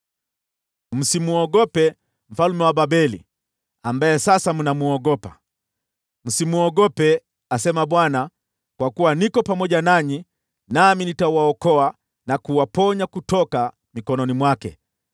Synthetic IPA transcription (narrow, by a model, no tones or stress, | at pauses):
m̩simuɔɡɔpɛ | m̩falumɛwababɛli | ambajɛsasamunamuɔɡɔpa̰ | m̩simuɔɡɔpɛ | asɛmaɓwana | kwakuwanikɔpamɔʄanaɲi | naminitawaɔkɔa | nakuwapɔɲakutɔka | mikɔnɔnimwakɛ̰